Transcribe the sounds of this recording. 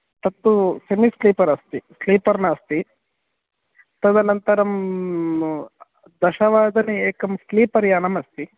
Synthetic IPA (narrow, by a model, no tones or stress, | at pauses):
t̪ɐt̪ːusemisliːpɐɾɐst̪isliːpɐɾnast̪i | t̪ɐd̪ɐnɐnt̪ɐɾɐm | d̪ɐʃɐʋaːd̪ɐnieːkɐmsliːpɐɾjaːnɐmɐst̪i